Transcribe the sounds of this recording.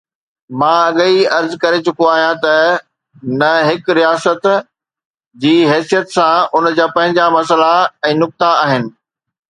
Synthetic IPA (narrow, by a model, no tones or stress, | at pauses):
mãːɐɠiɐɾzkɐɾet͡ɕʊkoaːɦijãt̪ɐ | nɐɦɪkɾijaːsət̪ | d͡ʑiːɦɛːsijət̪sãʊnd͡ʑaːpɐ̃ɦɪ̃ɲd͡ʑamɐsəlaɛ̃ːnʊk̚t̪aaːɦɪnɪ̆